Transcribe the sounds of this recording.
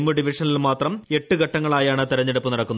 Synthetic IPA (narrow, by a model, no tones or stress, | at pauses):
mːɨɖiʋiʂɐnilmaːt̪rɐme̞ʈːuɡɐʈːɐŋːɐɭaːjaːɳɨt̪iɾɐɲːɐɽɐpːɨnɐɽɐkːunː